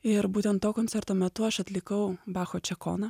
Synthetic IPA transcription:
ɪɾbuːt̪ʲɛnt̪t̪ːoːkoːnʲt͡s̪sʲɛɾt̪oːmʲɛt̪ʊɐʃɐt̪ʲlʲɪkɐʊbɑːxoːt͡ʃʲɛko̰ːnɐ

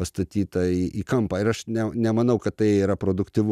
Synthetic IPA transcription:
pɐst̪ɐt̪ʲiːt̪ɐiːʔiːkɐmpɑːɪɾɐʃnʲɛnʲɛmɐnɐʊkɐt̪t̪ɐɪiːɾɐpɾoːd̪ʊkt̪ʲɪʋʊ

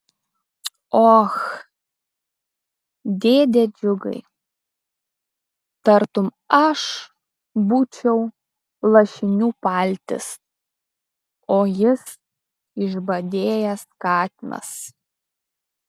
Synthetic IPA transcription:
ox | d̪ʲeːd̪ʲed͡ʒʲʊɡɐ̰ɪ | t̪ɐɾt̪ʊm | ɐʃ | buːt͡ʃʲɛʊ | lˠɐʃʲɪnʲuːpɑlʲt̪ʲɪ̰s | oːjɪs | ɪʒbɐd̪ʲeːjɛskɑːt̪ʲɪnɐ̰s

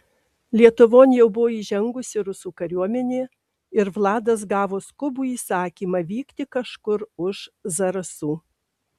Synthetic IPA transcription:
lʲiɛt̪ʊʋoːnʲjɛʊbʊʋoːiːʒʲɛŋɡʊsʲɪɾʊsuːkɐɾʲuɔmʲɛnʲeː | ɪɾʋlˠɑːd̪ɐs̬ɡɑːʋoːskʊbuːiːsɑːkʲiːmɐʋʲiːkt̪ʲɪkɐʃkʊɾʊʒzɐɾɐsuː

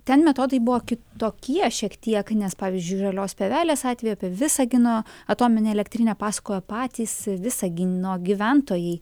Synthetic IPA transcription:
t̪ʲɛnmʲɛt̪oːd̪ɐɪbʊʋoːkʲɪtt̪oːkʲiɛʃʲiɛkt̪ʲiɛknʲɛspɑːʋʲizʲd͡ʒʲʊɪʒɐlʲoːspʲeːʋʲæːlʲeːsɑːt̪ʲʋʲɛjoːpʲiʋʲɪsɐɡʲɪnoːɐt̪oːmʲɪnʲeɛlʲɛkt̪ʲɾʲɪnʲɛpɑːsɐ̥koːjɛpɑːt̪ʲiːsʋʲɪsɐɡʲɪnoːɡʲiʋʲænt̪oːjɛɪ

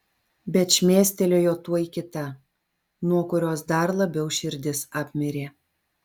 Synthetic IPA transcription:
bʲɛt̪ʃʲmʲeːsʲt̪ʲɛlʲoːjoːt̪uɔjikʲɪt̪ɐ | nuɔkʊɾʲoːsd̪ɐɾlˠɐbʲɛʊʃʲɪɾʲd̪ʲɪsɑːpʲmʲɪɾʲeː

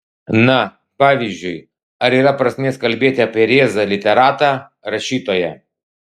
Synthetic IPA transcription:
nɐ | paʋʲɪʑʲːʊj | ɐɾʲiɾapɾɐsʲnʲɛskɐlʲbʲet̪ʲɛpʲɛɾʲezɐlʲɪt̪ʲɛɾat̪ɐ | ɾɐɕit̪ɔjɛ

